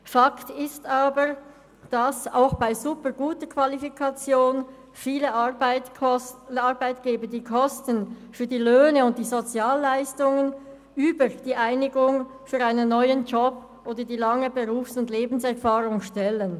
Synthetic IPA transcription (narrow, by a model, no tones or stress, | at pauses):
faktɪstaːbəʁ | d̥asa̰ʊxb̥aɪzupəʁɡuːtəkʰv̥alifikʰat͡sjoːn | fiːləɪ | aʁbaɪtɡ̥eːbədiːkʰɔstənfyːɐdiːløːnəʊnt̚d̥iːzot͡sjaːlːaɪstʊŋən | ʔyːbəʁd̥iːʔaɪnɪɡʊŋ | fyːʁaɪnənːɔʏənd͡ʒɔb̥ | ʔoːdədiːlaŋəbəʁuːfsʊndleːbn̩sɛʁfaːʁʊŋʃtɛlən